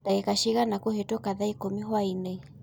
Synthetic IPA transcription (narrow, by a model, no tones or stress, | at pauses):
taɛkaʃiɣanakuhetɔkaðaikomiɦwaine